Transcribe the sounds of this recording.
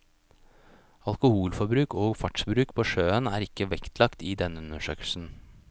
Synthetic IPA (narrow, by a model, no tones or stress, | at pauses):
ɑlkʊhuːlfɔbɾʉːkʰoːɡfɑʈʂbɾʉːkpʰoːʃøːənæːɾɪkːəʋɛkt̪ʰlɑkt̪iːd̪ɛnːəʉnəʃøːkəlsn̩